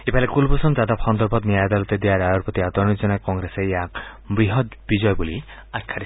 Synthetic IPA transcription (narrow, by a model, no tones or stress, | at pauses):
epalekulbosumd͡ʒad̪apxɔnd̪ɔɾbʱɔt̪niajad̪alɔt̪ed̪iaɾajɔɾpɾɔt̪iad̪ɔɾɔnid͡ʒɔnakɔŋɡɾesejak | bɾiɦɔt̪bid͡ʒɔjbuli | akʰːaɾi